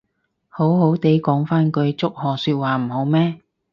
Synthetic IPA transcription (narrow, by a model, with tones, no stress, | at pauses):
ho˨˥wɦo˨˥wt̪e˨˥jkɔː˨˥ŋfaː˥nkɵ˧ɥt͡sʊ˥k̚hɔː˨syː˧t̚waː˨m̩˨˩ho˨˥wmɛː˥